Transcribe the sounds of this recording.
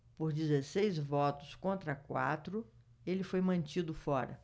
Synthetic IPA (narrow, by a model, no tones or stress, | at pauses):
poɾd͡ʒizesejzvɔt̪ʊskõnt̪ɾɐkwa̰t̪ɾʊ | elɪfojmɐ̃nt͡ʃid̪ʊfɔɾɐ̰